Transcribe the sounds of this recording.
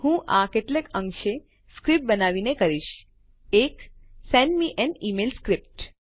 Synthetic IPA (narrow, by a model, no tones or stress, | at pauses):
hũʔakeʈlekə̃ŋkʃe | skɾip̚ʈ̚bənaʋinekəɾiʃ | eksɛnɖmiʔɛnimelskɾip̚ʈ